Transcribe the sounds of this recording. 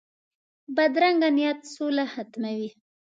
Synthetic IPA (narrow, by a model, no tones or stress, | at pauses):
bad̪ɾaŋɡanijat̪solahat̪mawi